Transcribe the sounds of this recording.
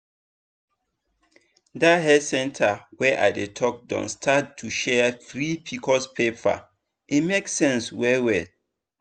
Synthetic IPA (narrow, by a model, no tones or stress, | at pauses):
daɦɛsɛ̃ntʰawɛʔa̰ɪdetʰɔk̚dɔ̰̃nstʰattʰːuʃɛθɹipʰikʰɔspʰepʰa̰ | ʔimeksɛ̃nswɛwɛ